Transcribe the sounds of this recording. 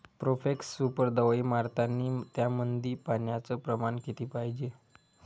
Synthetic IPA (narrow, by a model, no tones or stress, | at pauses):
pɾofeksːupəɾd̪əʋimaɾt̪ʰanːiːt̪jamənd̪ʱiːpanjat͡səpɾəmanket̪iːpaɦid͡ʑe